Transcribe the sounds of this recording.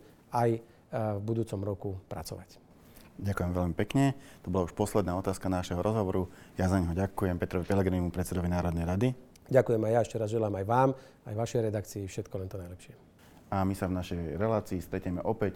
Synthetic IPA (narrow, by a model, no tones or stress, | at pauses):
aj | vbud̪uːt͡sɔmɾɔkupɾa̰t͡sɔ̰ʋac | ɟakujɛmʋɛʎmipɛkɲɛt̪ɔbɔlauʃpɔslɛd̪naːɔt̪aːskanaʃɛɦɔɾʔɔzɦɔʋɔɾujazaɲɦɔɟakujɛmpɛt̪ɾɔʋipɛlɛɡɾinimupɾɛt̪t͡sːsɛd̪ɔʋinaːɾɔd̪nɛjɾad̪i | ɟakujɛmajjaɛʃcɛɾazʒɛlaːmajʋaːm | ajʋaʃɛjɾɛd̪akt͡siːfʃɛt̪kɔlɛnt̪ɔnajlɛpʃɪɛ | amisavnaʃɛjɾɛlaːt͡siːst̪ɾɛcɲɛmɛʔɔpɛc